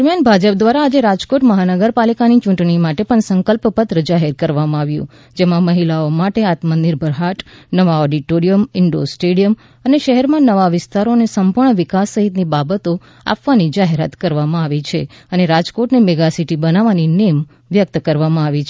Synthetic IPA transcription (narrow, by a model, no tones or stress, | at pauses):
d̪əɾmjanbʱad͡ʒəp̚d̪ʋaɾaːd͡ʒeɾad͡ʒkoʈməɦanəɡəɾpalikanit͡ʃũɳʈɳimaʈepəɳsə̃ŋkəlppət̪ɾəd͡ʒaɦɛɾkəɾʋamãaʋjṵ̃ | d͡ʒemãməɦilaomaʈeat̪mənd̪iɾbʱəɾɦaʈnəʋaɔɖiʈoɾijəmɪɳɖo̰sʈeɽijəm | əneʃəɦɛɾmãnəʋaʋɪst̪aɾonesəmpuɾɳəʋɪkasːəɦit̪nibabət̪o | a̰pʋanid͡ʒaɦeɾa̰t̪kəɾʋamãaʋit͡ʃʰe | əneɾad͡ʒkoʈnimeɡasiʈibənaʋaninem | ʋjək̚t̪kəɾʋamãaʋit͡ʃʰ